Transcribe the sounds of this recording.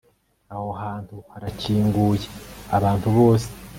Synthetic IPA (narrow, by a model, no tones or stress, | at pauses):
aho̞ɦaːntuhaɾaciːŋɡuːjeaβaːntuβo̞ːse̥